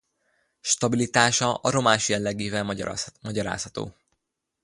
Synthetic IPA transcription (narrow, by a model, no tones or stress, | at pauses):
ʃt̪ɒbilit̪aːʃɒʔɒɾo̞maːʃjɛlːɛɡeːvɛlmɒɟɒɾa̰ːshɒt̪o̰ː